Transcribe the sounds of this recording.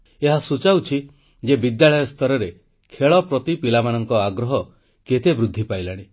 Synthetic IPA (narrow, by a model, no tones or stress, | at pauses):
eɦasut͡ʃawt͡ʃʰi | d͡ʒebid̪jaɭɔjɔst̪ʰɔɾɔɾe | kʰeɭɔpɾɔt̪ipilamanɔŋkɔaɡɾɔɦɔ | ket̪ebɾud̪ʱːipajlaɽ̃i